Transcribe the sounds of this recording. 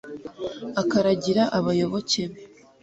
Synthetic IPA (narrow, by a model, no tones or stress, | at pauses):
akaɾaɟiɾaʔaβajo̞βo̞ce̞βe